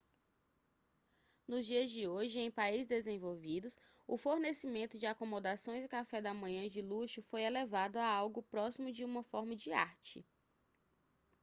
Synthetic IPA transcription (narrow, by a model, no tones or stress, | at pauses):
nʊzd͡ʒiɐzd͡ʒɪoʒɪẽj̃paizɪzd̪ezẽvowvid̪ʊs | ʊfoɾnesimẽnt̪ʊd͡ʒɪakomod̪asõj̃zɪkafɛd̪ɐmɐ̃ɲɐ̃d͡ʒɪluʃʊfojelevad̪ʊaawɡʊpɾɔsimʊd͡ʒɪũmɐfɔɾmɐd͡ʒɪa̰ɾt͡ʃɪ̰